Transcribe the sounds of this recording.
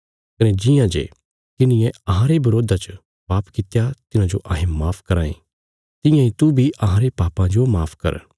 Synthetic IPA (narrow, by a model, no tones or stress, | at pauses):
kɐned͡ʒɪjãd͡ʒḛ | kɪnɪjɛ̃ɐɦãɾebɐɾoːd̪at͡ʃə | paːpkɪt̪jat̪ɪnãd͡ʒoʔɐːɦẽmaːpʰkɐɾãːĩ | t̪ɪ̃jãĩt̪ubʱiʔɐɦãɾepaːpãd͡ʒomaːpʰkɐ̰ɾ